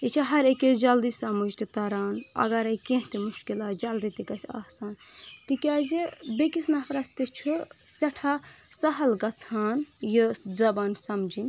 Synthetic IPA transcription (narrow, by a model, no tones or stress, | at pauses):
it͡ʃʰiɦɐɾeked͡ʒɐld̪isɐmud͡ʒt̪it̪ɐɾaːnɐ̰ɡɐɾɐjkẽɦt̪imuʃkilad͡ʒɐlɾit̪ikɐsʰasaːn | t̪ikʲazebekisnapɾɐst̪et͡ʃʰusɐʈʰasɐɦɐlɡɐt͡sʰaːnjid͡zɐbaːnsɐmd͡ʒin